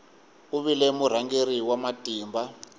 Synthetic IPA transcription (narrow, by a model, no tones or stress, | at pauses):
uβilɛmuɾ̤aŋɡeriwamatʼiːmba